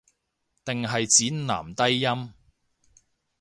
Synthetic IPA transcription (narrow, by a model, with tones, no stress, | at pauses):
t̪ɪ˨ŋɦɐ˨jt͡siː˨˥nna̰ː˨˩mt̪ɐ˥jːɐ˥m